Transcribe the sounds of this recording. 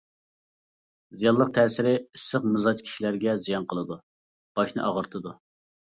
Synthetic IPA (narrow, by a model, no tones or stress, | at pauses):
zijɑlˠlˠəq̚t̪ʰɛːsɪɾɪisːəqmɨzɑt͡ʃkʲʰi̥ʃilæɾɡʲɛzijɑnqʰəlˠɨd̪u | b̥ɑʃnɨ̰ʔɑʁəɾt̪ʰɨd̪u